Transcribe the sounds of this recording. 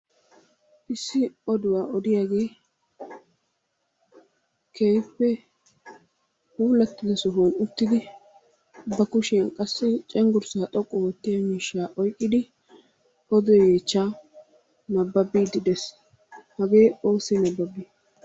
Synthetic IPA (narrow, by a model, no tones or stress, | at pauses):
ʔɪsːɪɔd̪ʊwaːʔɔd̪ɪjaːɡe̞ː | kʰeːjpːɛ | huːlːɐt̪ːɪd̪ɐsɔɦuːnʊt̪ːɪd̪ɪ | bɐkʊʃɪɐnkʼɐsːɪt͡ʃʼɛŋɡʊɾsaːt̪ʼɔkʼːɔwɔt̪ːɪjɐmiːʃːaːʔɔjkʼːɪd̪ɪ | ɔd̪ɔjjeːt͡ʃːaː | nɐbːɐbiːd̪ɪd̪ɛs | hɐɡe̞ːo̞ːsɛnɐbːɐbiː